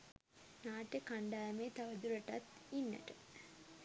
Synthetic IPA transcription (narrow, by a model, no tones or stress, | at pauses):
naːʈəkaɳɖaːjəmeːt̪aʋəd̪uɾəʈa̰t̪inːə̰ʈə